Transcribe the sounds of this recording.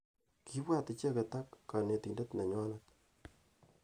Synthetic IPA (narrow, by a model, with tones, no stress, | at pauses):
ki˦bwa˦ti˨t͡ʃe˦ke˨ta˦kːa˨ne˨ti˨nde˦tnɛ˨ɲɔ˦la˦t